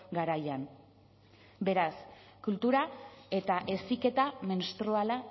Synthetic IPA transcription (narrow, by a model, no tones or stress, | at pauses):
ɡaɾajan | be̞ɾas | kult̪uɾae̞t̪aʔe̞sike̞t̪amenst̪ɾoala